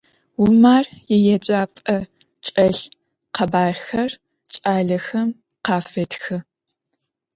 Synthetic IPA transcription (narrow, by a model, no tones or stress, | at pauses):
wʊmaːrjɛjɛd͡ʒʼaːpʼɐ | t͡ʃʼɐɬ | qʰɐbaːrxɐr | t͡ʃʼaːɮɐxɐm | qɑːfɐtxɨ